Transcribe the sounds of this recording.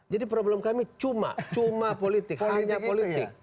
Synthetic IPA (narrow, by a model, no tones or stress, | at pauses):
d͡ʒadipɾoblɛmkamit͡ʃuma̰t͡ʃumapolit̪ɪkhaɲapolit̪ɪk̚